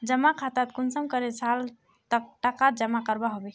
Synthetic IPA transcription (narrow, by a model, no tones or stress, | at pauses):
d͡ʒəmːakʰat̪at̪̚kunsəmkəɾesal | t̪ək̚ʈakat̪̚d͡ʒəmakəɾbaɦobɛ